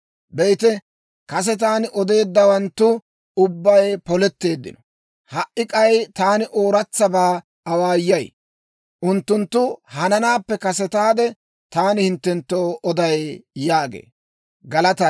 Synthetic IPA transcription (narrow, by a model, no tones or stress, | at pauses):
bɛjt̪ɛ | kɐs̬ɛt̪̬aːnɪʔɔd̪e̞ːd̪ːɐwɐnt̪ːʊ | ʊbːɐjpɔlɛt̪ːe̞ːd̪ːɪ̰nɔ | hɐʔʔɪkʼɐjt̪aːnɪʔoːɾɐt͡sːɐbaː | ɐwaːjːɐj | ʔʊnt̪ːʊnt̪ːʊhɐnɐnaːpːɛkɐsɛt̪aːd̪ɛ | t̪aːnɪhɪnt̪ːɛnt̪ːoːʔɔd̪ɐjjaːɡḛː | ɡɐlɐt̪ɐ